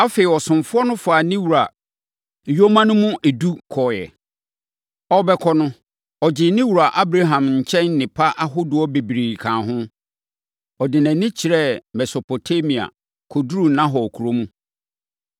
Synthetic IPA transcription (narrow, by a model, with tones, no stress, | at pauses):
a˦fe˨ɪ˨ɔ˨sʊ̃˨mfʊ˦ɔ˦nʊ̃˦fa˨nɪ̃˦wu˨ɾa˨ | jo˦mã˦nʊ̃˦mũ˦ʔɛ˨du˦kʰɔ˨jɛ̰˨ | ɔ˦bɛ˦kʰɔ˦nʊ̃˦ | ɔ˨d͡ʑɪ˨nɪ̃˦wu˨ɾa˨ʔa˦bɾa˦ɦã˨mɲ̩˨t͡ɕʰɛ̃˦nːɪ̃˨pʰa˦ʔa˦ɦʊ˦dʊ˨ɔ˦be˨bi˨ɾi˨kʰãː˨ɦʊ̃˦ | ɔ˨dɪ˨nɛ̃˨nɪ̃˦t͡ɕʰi˨ɾɛ˦mɛ˨so˨pʰo˨tʰa˦mĩ˨a̰˨ | kʰo˨du˦ɾu˨˦nã˦ɦɔ˨ɔ˨kʰu˨ɾo˦mũ˦